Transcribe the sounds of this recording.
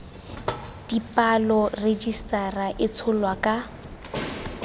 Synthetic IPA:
d̥ipʼalɔred͡ʒistʼaraʔɪt͡sʰʊlwakʼa

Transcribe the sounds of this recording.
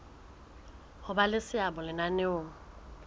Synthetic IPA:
hʊbalɪsɪabʊlɪnanɪoːŋ̩

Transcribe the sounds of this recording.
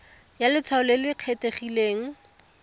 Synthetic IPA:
jalɪt͡sʰwaʊlelɪq͡χʰeteχileːŋ̩

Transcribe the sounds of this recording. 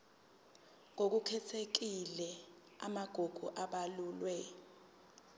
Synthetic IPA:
ŋok̬ukʰɛtʰek̬ilɛ | a̰maɡ̥ʱuɡ̥ʱuʔaɓaluːlwɛ

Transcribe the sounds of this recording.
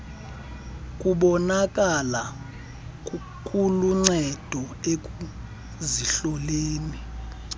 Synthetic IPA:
kʼuɓɔnak̬ʼala | kʼu | kʰuluŋ͡ǀɛd̥ʱɔek̬ʼu | ziɬɔleːni

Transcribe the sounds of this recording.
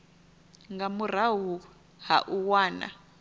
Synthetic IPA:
ŋɡamur̤aɦu | ha̰ʔuwaːna̰

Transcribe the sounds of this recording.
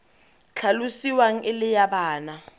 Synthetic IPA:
t͡ɬʰalusiwaŋ̩ɪlɪjaɓaːna

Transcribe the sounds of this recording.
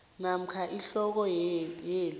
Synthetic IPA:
nam̩kʰaʔiɬɔk̬ɔjeːlu

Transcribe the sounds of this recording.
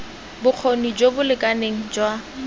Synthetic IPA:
bʊq͡χʰonid͡ʒobʊlɪkʼaneŋ̩d͡ʒwa

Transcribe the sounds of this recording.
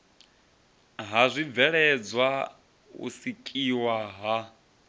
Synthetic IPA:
ɦazʷivɛɺɛd͡zwa | ṵsikʼiwaɦa

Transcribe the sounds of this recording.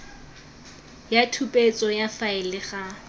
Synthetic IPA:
jatʰupʼet͡sʼɔjafaɪlɪχa

